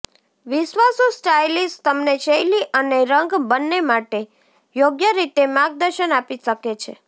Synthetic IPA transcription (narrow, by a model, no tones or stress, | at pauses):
ʋɪʃʋasusʈajlist̪əmnet͡ʃəjliʔəneɾəŋɡbənːemaʈe | joɡjəɾit̪emaɡ̚d̪əɾʃənapiʃəket͡ʃʰḛ